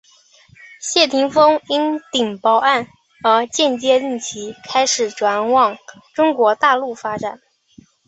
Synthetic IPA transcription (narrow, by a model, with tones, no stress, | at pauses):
ɕjɛ˥˩t̪ʰi˧˥ŋfɤ˥ŋi˥nt̪i˨˩ŋpɑ˥ʊʔa˥˩n | ə˧˥t͡ɕjɛ˥˧nt͡ɕjɛ˥˧i˥˩nt͡ɕʰi˧˥kʰa˥ɪʂɻ̩˨˩ʈ͡ʂwa˧˥nwɑ˥˩ŋʈ͡ʂʊ˥ŋkwɔ˧˥t̪a˥˧lu˥˩fa˥ʈ͡ʂa˨˩˦n